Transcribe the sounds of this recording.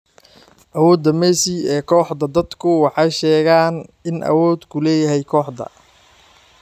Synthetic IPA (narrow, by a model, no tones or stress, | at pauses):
ʔɐwɔːd̪ɐmɛːsiɛːkʰɔːħd̪ɐd̪ɐd̪kʰʊwɑħɑjʃɛːɣaːnʔɪnʔɐ̰wɔːd̪kʰʊlɛːjɐɦɛjkʰɔːħd̪ɐ̰